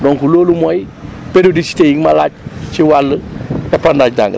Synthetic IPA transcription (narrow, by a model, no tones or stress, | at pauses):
dɔŋkuloːlumoj | peɾiodisi̥tejiŋmalat͡ʃt͡ʃiwalːəɛpandad͡ʒda̰ŋ